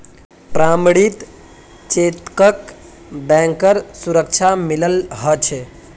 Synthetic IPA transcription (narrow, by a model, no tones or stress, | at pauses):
pɾamɽit̪ | t͡ʃet̪kək | bɛ̃ŋkəɾsuɾək̚t͡ʃʰamiləlɦət͡ʃʰɛ